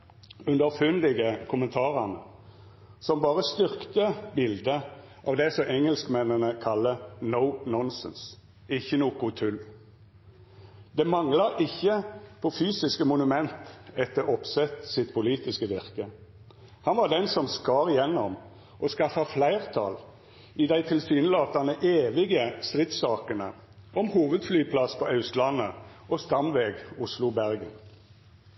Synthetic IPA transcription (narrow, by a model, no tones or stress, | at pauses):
ʉnd̪əʁfʉnd̪ɪɡəkʰʊmənt̪ʰɑːʁənə | sɔmbɑːʁəst̪ʏʁkt̪əbɪld̪ə | ʔɑ̰ːʋd̪ɛsɔʔɛŋəlskmɛnənəkʰɑlːənəʊnɔnsə̰ns | ɪçːənuːkʊt̪ʰʉl | d̪̥ɛmɑŋlɑʔɪçːəpʰɔfyːsɪskəmʊnʉmɛnt̪ɛt̪ːəʁɔpsɛt̪sɪt̪pʰʊliːt̪ɪskəʋɪʁkə | hɑnʋɑd̪ɛnsɔmskɑːʁɪjɛnːɔm | ɔskɑfɑflæɪʁt̪ʰɑ̰l | ɪd̪æɪt̪ʰɪlsyːnəlɑːt̪ɑnəʔeːʋɪɡəst̪ʁɪt̪sɑːkənə̰ | ʔɔmhuːʋəd̪flyːpʰlɑspʰɔʔɑʉst̪lɑnːəʔɔst̪ɑmʋeːɡʊslʊbæʁɡən